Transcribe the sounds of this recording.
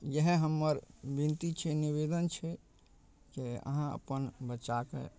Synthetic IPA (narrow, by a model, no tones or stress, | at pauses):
jəɦeɦəmːəɾbint̪it͡ʃʰɛniβed̪ənt͡ʃʰɛ | keə̰ɦãə̰pənbət͡ʃakḛ